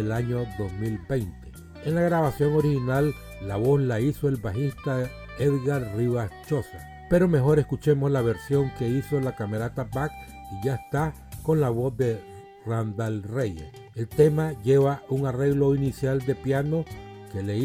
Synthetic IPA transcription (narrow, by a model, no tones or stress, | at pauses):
elaɲoðozmilbe̞jnt̪e | enlaɣɾaβasjo̞ŋo̞ɾihinalː | aβo̞slaiso̞e̞lbaxist̪a | eðɣaɾriβast͡ʃo̞sa | pe̞ɾo̞me̞xo̞ɾe̞skut͡ʃe̞mo̞slaβe̞ɾsjo̞ŋke̞iso̞lakameɾat̪abak | iʝaest̪a | ko̞nlaβozðe | rand̪alrejḛs | elt̪e̞maʝe̞βauŋare̞ɣlo̞inisjald̪e̞pjano̞ke̞le